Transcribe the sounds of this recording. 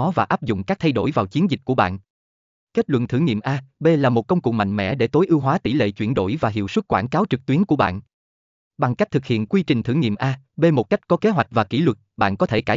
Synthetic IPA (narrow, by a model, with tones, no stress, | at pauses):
ɔ˨˦vaː˨˩ʔaː˦˥p̚zʊ̰˧˨ŋ͡mkaː˦˥k̚t̪ʰa˧jɗo˧˩jvaː˨˩wt͡ɕi˨˦ənzi˨˩ku˧˩əɓa̰ː˧˨n | ke˦˥t̚lwə̰˧˨nt̪ʰɨ̰˧˩ŋḭ˧˨mʔaː˧ɓe˧laː˨˩mo˨˩t̚kə˧wŋ͡mkʊ̰˨˩ŋ͡m̚ma̰˧˨ŋmɛ̰˧˥ɗe˧˩t̪o˨˦jʔɨ˧wɦwaː˨˦t̪i˧˩lḛ˧˨t͡ɕwi˧˩ənɗo̰˧˩jvaː˨˩ɦḭ˧˨əwswə˦˥t̚kwaː˧˩nkaː˨˦wt͡ɕɨ˨˩k̚t̪wi˨˦ənku˧˩əɓa̰ː˧˨n | ɓa˨˩ŋka˦˥k̟̚t̪ʰɨ˨˩k̚hḭ˧˨ənkwi˧t͡ɕï˨˩ŋ̟t̪ʰɨ˧˩ŋḭ˧˨əmʔaː˧ | ɓe˧mo˨˩t̚ka˦˥jk̚kɔ˨˦ke˨˦ɦwa˨˩jk̚vaː˨˩ki˧˩lwə˨˩t̚ɓa̰ː˧˨nkɔ˨˦t̪ʰe˧˩kaː˧˩